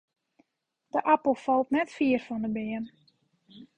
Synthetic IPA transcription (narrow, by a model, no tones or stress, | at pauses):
d̥əʔapəl̩ˠfɔlˠtnɛtfiərfɔndəbɪən